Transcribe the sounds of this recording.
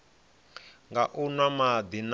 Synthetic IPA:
ŋɡaʔunwamad̪in

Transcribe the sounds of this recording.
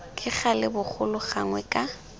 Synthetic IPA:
kʼɪχalɪbʊk͡xʰʊlʊχaŋwɛkʼa

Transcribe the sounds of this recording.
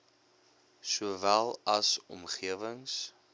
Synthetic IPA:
suəvælˠɐsɔ̰mχiəvəŋs

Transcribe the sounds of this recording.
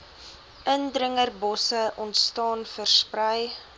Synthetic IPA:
ʔəndɾəŋərbɔsəʔɔntstɑːnfərsprəj

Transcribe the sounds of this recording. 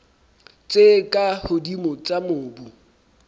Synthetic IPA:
t͡sʼekʼahʊdimʊt͡sʼamʊːbu

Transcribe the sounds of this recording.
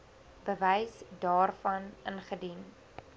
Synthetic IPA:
bəvɛjsdɑːrfɐnʔənχədin

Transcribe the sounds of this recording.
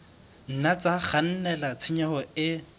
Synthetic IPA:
n̩nat͡sʼaχan̩nɛlat͡sʰɪɲaɔɪ

